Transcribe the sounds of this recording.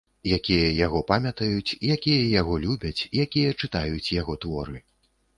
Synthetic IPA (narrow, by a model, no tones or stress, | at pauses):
jakʲijɐjaɣɔpamʲɐt̪ɐjut͡sʲijakʲijɐjaɣɔlʲubʲɐt͡sʲjakʲijɐt͡ʂɨt̪ajut͡sʲjaɣɔt̪vɔɾɨ